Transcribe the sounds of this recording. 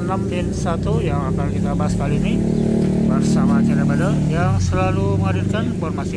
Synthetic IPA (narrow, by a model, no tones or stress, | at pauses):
namt̪ɛnsat̪ujaŋakankit̪abaɦasːkaliːni | bərsamat͡ʃaɾabadəjaŋsəlaluməŋadilkanbormasɪ